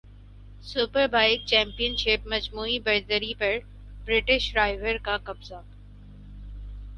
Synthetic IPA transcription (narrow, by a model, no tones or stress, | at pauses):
sʊpəɾbʱaːɪk̚t͡ʃɛ̃ːmpijənʃɪpmɐd͡ʒmuːibɐɾd̪əɾipɐɾ | bɾɪʈɪʃɖɾaːɪʋəɾkakɐbza